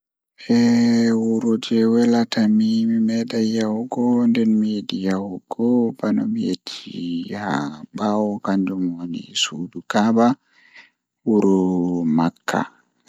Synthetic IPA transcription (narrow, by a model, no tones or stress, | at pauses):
ʔɛwuɾɔd͡ʒɛwɛlatamimimɛɗajawuɡɔndɛnmijedijawuɡɔbanɔ̰mijet͡ʃʰːiha̰bawɔkand͡ʒɔmwonḭsuːdukaba | wuɾɔmakʰːa̰